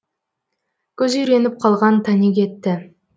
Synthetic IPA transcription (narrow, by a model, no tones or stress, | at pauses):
kʲʰɵzʏjɾe̞nɪp̚qʰɑlˠʁɑnt̪ʰænekʲʰe̞t̪ːɪ